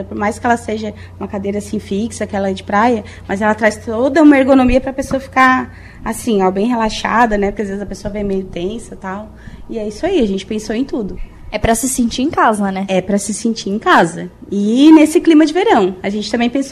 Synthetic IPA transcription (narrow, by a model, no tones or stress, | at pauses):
ɐpoɾmajskɪɛlɐseʒɐ | ũmɐkad̪ejɾɐasĩfiksɐkɪɛlɐɛd͡ʒɪpɾajɐ | mɐzɛlɐt̪ɾajst̪od̪ɐũmɐeɾɡonõmiɐpɾɐpesoɐfi̥ka | asĩabẽj̃ɦelaʃa̰d̪ɐnɛpɾkɪazvezɪzɐpesoɐvẽj̃mejʊt̪ẽsɐt̪aw | ɪɛisʊaiɐʒẽnt͡ʃɪ̥pẽsoẽj̃t̪ud̪ʊ | ɛpɾɐsɪsẽt͡ʃiɾẽj̃kazɐnɛɛpɾɐsɪsẽnt͡ʃiẽj̃kazɐ | ɪnesɪklĩmɐd͡ʒɪveɾɐ̃w̃aʒẽnt͡ʃɪ̥t̪ɐ̃mbẽj̃pẽso